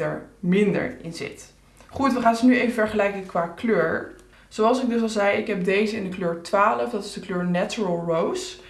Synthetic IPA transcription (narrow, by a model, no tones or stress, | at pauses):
ə̰ɹmɪndə̰ɹɪ̰nzɪ̰t | χutʋəχaːnzənyejvəvɛɹχəlɛjkəŋkʋaːkløːɹ | z̥owɑlˠsɪɡ̚dɵs̬ɑlˠzɛjɪkɦɛp̚dejzəɪndəkløːɹtʋaːləfdɑtɪzdəkløːɹnɛt͡ʃuɹəlˠɹows